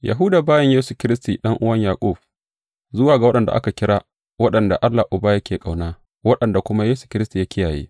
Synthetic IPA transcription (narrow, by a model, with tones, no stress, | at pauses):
ja̰˨ɦuː˦daː˨baː˦jɐ˦ɲjeː˦su˨kʲɪ˦ɾɪ˦stḭː˨ɗɐ˦ŋʔʊ˦wɐ˦ɲjaː˨kʷʼʊ˦˨ɸ̚ | zʊ˦waː˨ɡa˨wɐ˦ɗɐ˨nda̰˨ʔa̰˦ka˨kʲɪ˦ɽaː˦ | wɐ˦ɗɐ˨nda˨ʔa˦lːa˨ʔʊ˨baː˦jɐ˦kʲeː˨kʼa˨wnaː˦ | wɐ˦ɗɐ˨nda˨kʷʊ˦ma˦jeː˦su̥˨kʲɪ˦ɾɪ˦sti˨ja˦kʲɪ˦jaː˨jḛː˦